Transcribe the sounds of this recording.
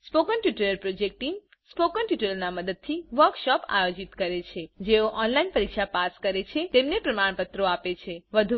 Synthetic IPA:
spokənʈuʈələɾpɾod͡ʒek̚ʈim | spokənʈiʈələɾnaməd̪əd̪̚t̪ʰiʋəɾkʃɔpa̰jod͡ʒit̪kəɾet͡ʃʰed͡ʒeoʔɔnlainpəɾikʃapaskəɾet͡ʃʰet̪emnepɾəmaɳ̃pət̪ɾoapet͡ʃʰeʋəd̪ʱu

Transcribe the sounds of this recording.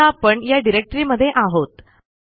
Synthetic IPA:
apəɳjaɖiɾek̚ʈɾiːməd̪ʱːjeʔaɦot̪

